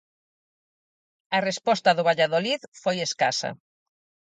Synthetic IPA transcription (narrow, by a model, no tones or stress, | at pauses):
ɐrespɔst̪ɐðʊβ̞aʎaðoliðfojeskasɐ̰